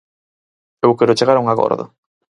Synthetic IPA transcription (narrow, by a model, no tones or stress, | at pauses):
ewkeɾʊt͡ʃeɣaɾuŋaɣo̰ɾðʊ̰